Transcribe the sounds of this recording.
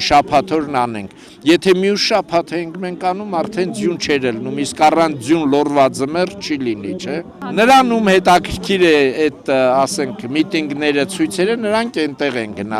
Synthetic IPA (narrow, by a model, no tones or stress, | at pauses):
ʃɑpʰɑt̪ʰɔɾnɑnɛŋkʰ | jɛt̪ʰɛmijusʃɑpʰɑt̪ʰɛjiŋkʰmɛŋkʰɑnumɑɾt̪ʰɛnd͡zjunt͡ʃʰɛɾɛlnumiskɑrɑnt͡sʰd͡zjunlɔrvɑd͡zəmɛrt͡ʃʰilinit͡ʃʰɛ | nəɾɑnumhɛt̪ɑkʰəɾkʰiɾəɛt̪ɑsɛŋkʰmit̪iŋɡnɛɾət͡sʰujt͡sʰɛɾənəɾɑŋkʰɛnt̪ɛʁɛnɡənɑ